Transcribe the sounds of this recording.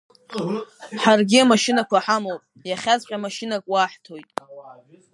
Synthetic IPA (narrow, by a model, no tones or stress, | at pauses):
ħarɡʲɪamaʃɪnakʷaħamolpʼjaχʲazqʲʼamaʃɪnakʼwaːħtʰo̞jtʼ